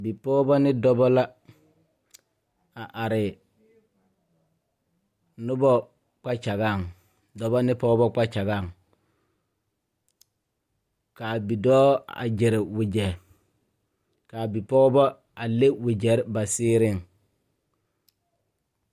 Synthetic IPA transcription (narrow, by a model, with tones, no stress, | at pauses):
bi˨pɔː˦bɔ˦nɪ˦dɔ˦bɔ˦la˦ | a˨ʔa˨ɾɪ˨ | nʊ˦bɔ˦ | k͡pa˦t͡ʃa˨ɣa˦˨ŋ | dɔ˨bɔ˦nɪ˦pɔː˦bɔ˦k͡pa˦t͡ʃa˨ɡa˦˨ŋ | kaː˨bi˨dɔː˦a̰˨d͡ʒɪ˨ɾɪ˨wɪ˨d͡ʒɛ˨ɾ | ka˨bi˨pɔː˦bɔ˦ | a˨le˦wɪ˨d͡ʒɛ˨˦ɾba˨sɪː˦ɾɪ˦˨ŋ